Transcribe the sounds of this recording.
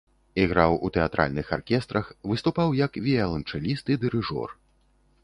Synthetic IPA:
iɣɾawut̪ɛat̪ɾʔa̰lʲnɨxarkʲɛst̪ɾɐxvɨst̪upawjɐkvʲiɛlˠɐnt͡ʂɛlʲist̪id̪ɨɾɨʐɔ̰r

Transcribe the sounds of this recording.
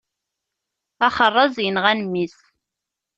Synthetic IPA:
æχərˤːɑzˤjənʁænmːis

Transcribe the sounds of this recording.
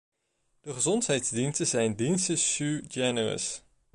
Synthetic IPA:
d̥əχəzɔntɦɛjtzdinstəzɛjndinstəʃud͡ʒɛnərə̰s

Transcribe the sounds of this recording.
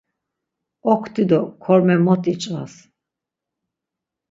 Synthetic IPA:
ɔkʰt̪ʰid̪ɔkʰɔɾmɛmɔt̪ʰʼit͡ʃʼva̰s

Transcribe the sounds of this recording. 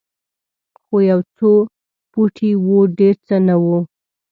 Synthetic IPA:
xojawt͡so | puʈʰiwoɖeɾt͡sənawu

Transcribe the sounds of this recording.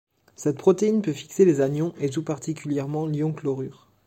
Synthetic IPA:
sɛt̪̚pχɔt̪einpøfi̥kselezanjɔ̃ʔet̪upaʁt̪ikʲyljɛʁmɑ̃ljɔ̃klɔʁyːʁ

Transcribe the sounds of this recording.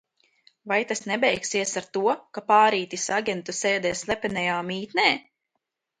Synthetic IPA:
vajt̪asnɛbɛjksiɛsaɾt̪uɔkapaːɾiːt̪isaɡʲɛnt̪usɛːd̪ɛːslˠɛpɛnɛjaːmiːt̪nɛː

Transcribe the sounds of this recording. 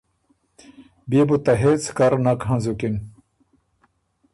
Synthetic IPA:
bibut̪ɐɦet͡sʰkɐɾnɐkɦãzukin

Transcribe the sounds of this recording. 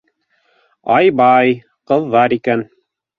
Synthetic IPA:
ɑjbɑj | qɤ̆ðːɑɾikæn

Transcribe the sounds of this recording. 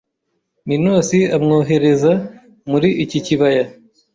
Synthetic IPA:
minoːsiamŋoːɦe̞ɾe̞za | muɾiʔiciciβaja

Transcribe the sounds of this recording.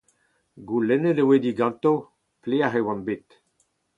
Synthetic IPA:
ɡulɛnedewed̪iɡɑ̃nt̪o | pleaχewãnbet̪

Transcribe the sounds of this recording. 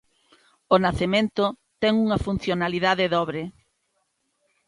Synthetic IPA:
onaθemẽnt̪o | t̪ɛŋuŋɐfun̟θjonaliðaðɪðɔβɾe

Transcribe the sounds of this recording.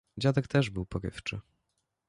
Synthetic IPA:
d͡ʑad̪ɛkt̪ɛʐbɘwpɔɾɘ̰ft͡ʂɘ

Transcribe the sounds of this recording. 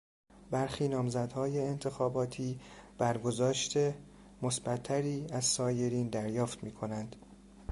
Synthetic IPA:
bæɾxiːnɒːmzæd̪hɒːjeːnt̪ʰe̞xɒːbɒːt̪ʰiːb̥æɾɡo̞zɒːʃt̪ʰe | mosbæt̪ʰːæɾiːæzsɒːje̞ɾiːnd̪æɾjɒːft̪miːkʰo̞nænd̪̥

